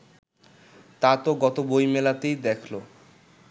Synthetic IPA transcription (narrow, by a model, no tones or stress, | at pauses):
t̪at̪oɡɔt̪obojmelat̪ejd̪ɛkʰlo